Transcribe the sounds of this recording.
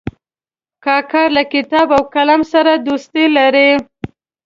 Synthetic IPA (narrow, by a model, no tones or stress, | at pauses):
kɑkɑɾlakɪt̪ɑbawkalamsaɾad̪ost̪elaɾe